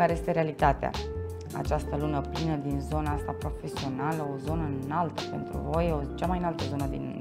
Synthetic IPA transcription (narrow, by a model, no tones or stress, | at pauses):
kaɾe̞jest̪e̞ɾealit̪at̪ea̰ | a̰t͡ʃast̪əlunəplinəd̪inzo̞naast̪apɾo̞fe̞sio̞naləozo̞nəɨnalt̪əpe̞nt̪ɾṵvo̞jot͡ʃamajnalt̪əzo̞nəd̪in